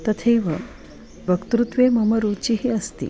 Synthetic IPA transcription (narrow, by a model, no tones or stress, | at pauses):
t̪ət̪ʰejʋə̰ | ʋəkt̪ɾut̪ʋeməməɾut͡ɕiːɦiəst̪ḭː